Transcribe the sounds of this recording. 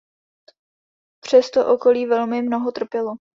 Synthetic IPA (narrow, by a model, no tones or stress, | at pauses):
pr̝̥ɛst̪oʔoko̞liːvɛlmɪmnoɦot̪r̩pjɛlo